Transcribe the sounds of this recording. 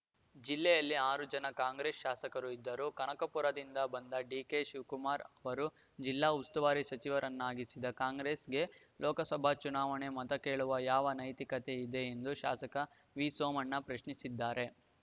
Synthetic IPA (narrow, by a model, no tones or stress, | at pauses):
d͡ʒilːɛjɐlːiaːɾud͡ʒɐnɐkaːŋɡɾeːsʃaːsɐkɐɾuid̪ːɐɾukɐɳɐkɐpuɾɐd̪ind̪ɐbɐnd̪ɐɖiːkeʃuːkumaːɾɐʋɐɾu | d͡ʒilːaːust̪uʋaːɾisɐt͡ʃiʋɐɾʔɐnːaːɡisid̪ɐkaːŋɡɾe̞ːsɡe̞ | lɔːkɐsɐbʱat͡ʃunaːʋɐɳe̞mɐt̪ɐke̞ːɭuʋɐjaːʋɐnɐjt̪ikɐt̪e̞id̪e̞ːnd̪uʃa̰ːsɐkɐ | ʋiːsoːmɐnːɐpɾɐʃɳisid̪ːaːɾe̞